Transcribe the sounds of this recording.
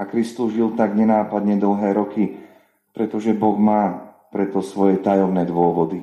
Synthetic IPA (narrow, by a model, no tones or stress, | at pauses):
akɾist̪uzʒilt̪aɡɲɛnaːpad̪ɲɛd̪l̩ɦɛːɾɔki | pɾɛt̪ɔʒɛbɔɣmaːpɾɛt̪ɔsʋɔjɛt̪ajɔmnɛːd̪ʊɔʋɔd̪i